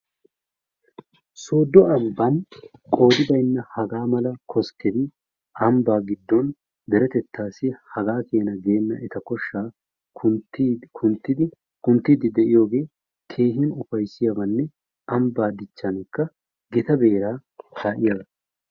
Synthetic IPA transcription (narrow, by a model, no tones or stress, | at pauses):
soːd̪ːɔɐmbɐnkʼo̞ːd̪ɪb̪ɐjnːɐhɐɡaːmɐlɐkʰɔskːɛd̪ɪ | ɐmbaːɡɪd̪ːɔn | d̪ɛɾɛt̪ɛt̪ːaːsɪhɐɡaːke̞ːnɐɡe̞ːnːɐʔɛt̪ɐkɔʃːaː | ʊnt̪ːɪd̪ɪ | kʊnt̪ːid̪ɪd̪ɛʔɪjo̞ːɡe̞ː | kʰe̞ːɦɪnʊfɐjsɪjɐbɐnːɛ | ɐmbaːd̪ɪt͡ʃːɐnɪkːɐ | ɡɛt̪ɐbe̞ːɾaːkʰaːʔɪjɐbɐ